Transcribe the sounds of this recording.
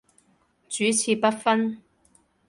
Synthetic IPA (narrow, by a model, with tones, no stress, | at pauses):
t͡syː˨˥t͡sʰiː˧pɐ˥t̚fɐ˥n